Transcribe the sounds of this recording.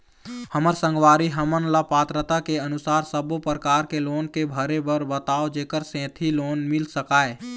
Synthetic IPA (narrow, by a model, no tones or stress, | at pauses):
həməɾsə̃ŋɡwaːɾiɦəmənlapaːt̪ɾət̪akeənʊsaːɾsəbopɾəkaːɾkeloːnkebʱəɾebəɾbət̪aːod͡ʒeːkəɾsɛ̃ːt̪ʰiloːnmɪlsəkaːe